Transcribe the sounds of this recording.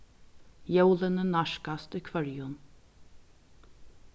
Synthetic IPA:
jɛwlənənaʃkast̪ʏkʰvœɹjʊn

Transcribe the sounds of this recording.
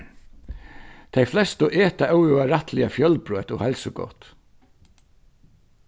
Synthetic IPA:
t̪ʰejflɛst̪ʊʔɛːt̪aʔœwuaɾaht̪lɪafjœlpɾøːt̪ɔhɛlsʊɡɔ̰wt̪

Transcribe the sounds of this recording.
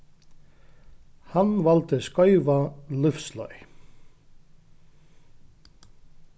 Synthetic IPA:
hanvɔlt̪ɪskɔʏvalʏfslɔ̰ʏ

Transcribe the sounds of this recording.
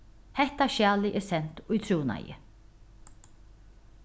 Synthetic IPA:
hɛht̪aʃaːlɪʔɛːɾsɛn̥t̪ʊjt̪ʰɾuːna̰jɪ̰

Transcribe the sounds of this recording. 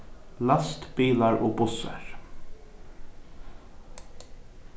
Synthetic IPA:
last̪biːlaɹɔːbʊsa̰ɹ

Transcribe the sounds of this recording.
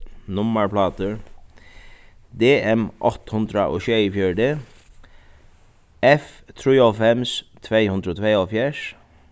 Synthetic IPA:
nʊməɹplɑːt̪əɹ | d̪eːɛmʔɔt̪hʉnd̪ɾəʔo̰ːçøifjœːɖe | ɛf | t̪ʰɾiːofɛmst̪ʰʋeɪhʉnd̪ɾoːt̪ʰʋeːoːfjæːʂ

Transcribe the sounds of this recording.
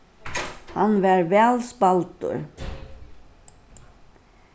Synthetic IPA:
hanʋæɾʋɛːlspalt̪ʊ̰ɹ

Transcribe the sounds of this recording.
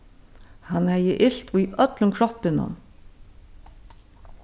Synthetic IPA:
hanhɛjəʔɪɬt̪ujʔœt̪lʊŋkʰɾɔpɪnʊ̰n

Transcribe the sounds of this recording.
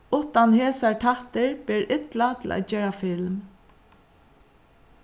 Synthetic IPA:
ʊht̪ːanheːsaɹʈʰaht̪ɪɹb̥ɛːɹʔɪt̪lat̪ʰɪlʔa̰ːt̪t͡ʃeːɹafɪlm

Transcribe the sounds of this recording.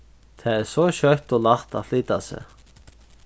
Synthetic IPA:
t̪ʰɛɛɾsɔɕœt̪ɔlaxt̪a̰ðfliːt̪asɛ̰

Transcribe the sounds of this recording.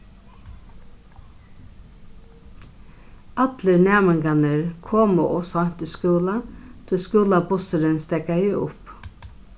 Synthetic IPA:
ɑt̪ləɾnæːmɪŋkanəɹkʰoːməʔɔsɔɲ̥t̪ɪskuːlat̪ʰɪskʉːlabʊsəɾɪnst̪ɛkajɪʊp

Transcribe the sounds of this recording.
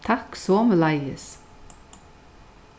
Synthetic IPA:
t̪ʰɑksɔːmlɑɪəs

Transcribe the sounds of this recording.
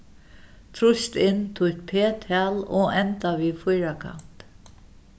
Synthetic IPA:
t̪ʰɾʊst̪ɪnt̪ʰʊht̪pʰeːt̪ʰaːlɔɛnt̪aʋiːfʊjɾakʰa̰n̥t̪

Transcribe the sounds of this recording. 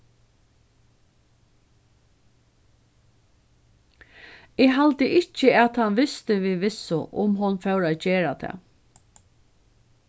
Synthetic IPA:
ɛːɦalt̪əʔɪt͡ʃəɛt̪hanʋɪst̪əʋiːʋɪsːʊʔʊ̰mɦʊnfœwɹaːd͡ʒeːɾat̪ʰɛ̰ː

